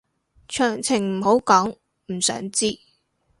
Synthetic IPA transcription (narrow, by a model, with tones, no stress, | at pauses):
t͡ʃʰœː˨˩ŋt͡sʰɪ˨˩ŋm̩˨˩ɦo˨˥wkɔː˨˥ŋ | m̩˨˩sœ̰ː˨˥ŋt͡siː˥